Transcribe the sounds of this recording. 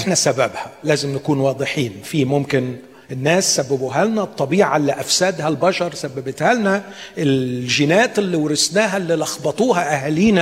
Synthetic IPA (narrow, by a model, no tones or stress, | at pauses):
ʔʔeħnæsæbæbhælæːzɪmnækuːnwɑːd̪ˤɨħiːnfiːmomkɪn | enːæːsːæbːæbuɦælnæt̪ˤːɑbiːʕɑ̰lːiʔæfsæːd̪hælbɑʃɑɾˤsæbːæbɪt̪hæːlnæ | ʔelʒɪnæːt̪elːiwɾɪsnæːɦælːiːlɑxbɑt̪ˤuːɦæʔæhæliːnæ